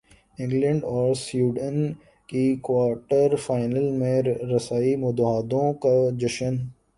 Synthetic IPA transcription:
ɪ̃ŋɡlə̃ɳɖɔːɾsjuːɖən | kikwaːɾʈəɾfaːɪnəlmẽɾɐsaːimʊd̪ɦaːd̪õkad͡ʒɐʃən

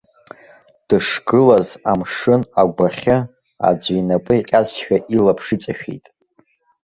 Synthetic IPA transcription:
d̥ɨʂɡɨlazamʂɨnaɡʷaχʲɪ | a̰d͡zɥinapʼɨiqʲʼazʃᶣaʔilapʰʂit͡sʼaʃᶣḭjtʼ

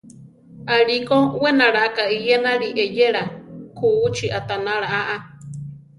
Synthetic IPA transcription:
aɺikʼowenaɺaakaijenaɺiʔejeɺakʰuːt͡ʃʰiʔat̪anaɺaʔaʔa

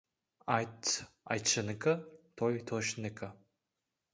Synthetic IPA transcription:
ajtʰa̰jt͡ʃʰɐnɨkʰʼɐtʰojtʰoʃnɨkʰʼɐ

